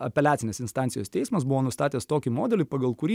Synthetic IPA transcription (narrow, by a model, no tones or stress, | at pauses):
ɐpʲɛlʲæːt̪sʲɪnʲeːsɪnst̪ɑnʲt̪ʲɪjoːst̪ʲɛɪsmɐsbʊʋoːnʊst̪ɑːt̪ʲeːst̪oːkʲimoːd̪ʲɛlʲɪpɐɡɐlˠkʊɾʲiː